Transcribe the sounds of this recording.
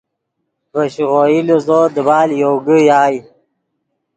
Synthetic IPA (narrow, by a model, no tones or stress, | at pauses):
vəɕʁojilozod̪əbɑːljoːɡəjaːj